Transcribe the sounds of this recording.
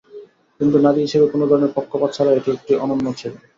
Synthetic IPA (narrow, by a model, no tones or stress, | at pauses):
kint̪unad̪iɦiʃebekonod̪ʱɔɾoneɾpɔkʰːopad̪̚t͡ɕʰaɾaeʈiek̚ʈiʔɔnonːot͡ɕʰil